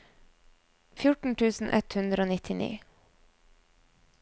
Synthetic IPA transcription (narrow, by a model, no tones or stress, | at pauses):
fjʊʈɳ̩ʈʰʉːsn̩ʔɛt̪hʉnd̪ɾəoːnɪt̪ʰɪnḭː